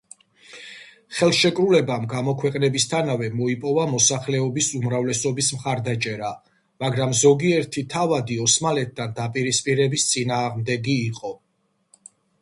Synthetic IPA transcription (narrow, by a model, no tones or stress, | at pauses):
χɛlˠʃɛkʼɾulɛbamɡamɔkʰwɛqʼnɛbist̪ʰanavɛmɔipʼɔvamɔsaχlɛɔbisumɾavlɛsɔbismχaɾd̪at͡ʃʼɛɾa | maɡɾamzɔɡiɛɾt̪ʰit̪ʰavad̪iɔsmalɛt̪̚ʰd̪and̪apʼiɾispʼiɾɛbist̪sʼinaːʁmd̪ɛɡiːqʼɔ